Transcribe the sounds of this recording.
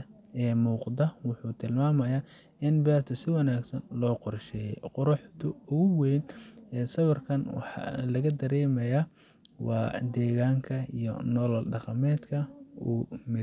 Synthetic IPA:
ɛːmuːqd̪ɐwʊħuːt̪ʰɪlmaːmɐja | ɪnbɛːrt̪ʰʊsɪwɑnaːɡsɐnlɔːqɔrʃɛːjɛ̰jqɔɾɑħt̪ʰʊʊʊwɛjnɛsɐwɐrkʰɐnwɑ̰ħɑ̰lɐɣɐd̪ɐɾɛːmɛja | wɑːd̪ɛːɣaːŋkʰɐḭjɔ̰nɔlɐlɖɑqɑmɛːd̪kʰɐuːmɪ

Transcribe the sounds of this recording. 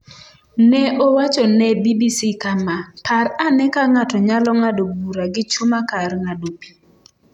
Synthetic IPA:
nɛʔowat͡ʃɔnɛbibisikamapʰaranɛkaŋatɔɲalɔŋadobuɾaɡɪt͡ʃumakarŋadopi̥

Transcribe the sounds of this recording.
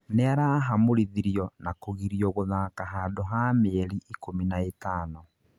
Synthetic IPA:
neaɾaɦamoɾiðiɾiɔnakoɣiɾiɔɣoðakaɦadoɦameɛɾiʔikominaetaːnɔ

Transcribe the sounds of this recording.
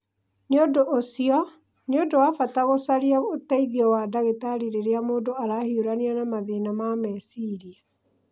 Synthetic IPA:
neodoʔosiɔ | neodowafataɣosaɾiaotaiðiɔwadaɣetaɾiɾeɾeamoːndoaɾahioɾaneanamaðinamamɛsiɾia

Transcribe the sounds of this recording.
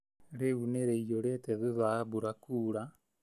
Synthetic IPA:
ɾeuneɾeijoɾeteðuðabuɾakuːɾa

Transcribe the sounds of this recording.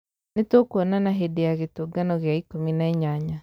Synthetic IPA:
netwokuɔnanaɦedejaɣetoːɡanɔɣjaikominaeɲaɲa

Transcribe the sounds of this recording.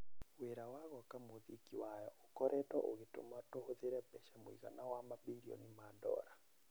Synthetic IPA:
weɾawaɣɔkamoðikiwajɔokɔɾʔɛtɔʔoɣeto̰matohoðeɾɛpɛʃɛmoiɣa̰nawamabiɾiɔ̰nimandɔ̰ɾa

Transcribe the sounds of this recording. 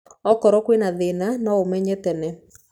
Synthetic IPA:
ɔkɔɾɔkwenaðenanɔomɛɲɛtɛnɛ

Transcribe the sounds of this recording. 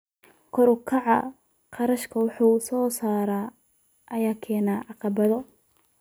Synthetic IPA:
kʰɔɾʊkʰɑʕɑ | qɑɾɐʃkʰɐwʊħuːsɔːsaːɾaː | ʔɐjaːkʰɛːnaːʕɑqɑβɐðɔ

